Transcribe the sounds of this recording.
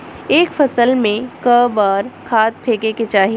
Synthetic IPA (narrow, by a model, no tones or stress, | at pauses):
eːkfɐsəlmẽkəbaːɾkʰaːt̪̚pʰeːkeket͡ʃaːɦi